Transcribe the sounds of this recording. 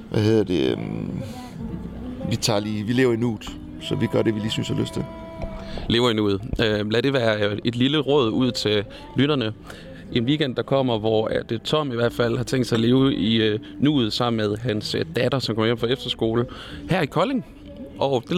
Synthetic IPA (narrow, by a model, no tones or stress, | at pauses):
ʋʔæheð̰ˠɐd̥e̝ | ʋit͡sʰɑ̈ːliːʋile̝ʊɐinṵːd̥ˠ | sɒʋiɡ̥ɶɐɾe̝ʋiliːsynshɑløsd̥ʰe | le̝ːʊɐinṵːð̩ˠølæɾ̥e̝ʋæːɐe̝d̥liləʁɔ̽ð̞ˠuð̞̰ˠt͡sʰe̝l | lyɾ̥ɐnə | ʔe̝nʋiːɡ̥end̥̚ɑ̈kʰɒ̽m̰ɐʋɒæd̥t͡sʰɒ̽m̰iʋæɐ̰d̥fæl̰hɑ̈t͡sʰeŋ̰d̥sɑ̈le̝ːʊʔi | nṵːð̞̩ˠsɑ̈m̰n̩meðˠɦænsd̥æd̥ɐsɒmkʰɒ̽mɐjem̰̩fʁɑ̈efd̥ɐsɡ̥o̝ːlhæɐikʰɒ̽le̝ŋ | ʔɒ̽d̥e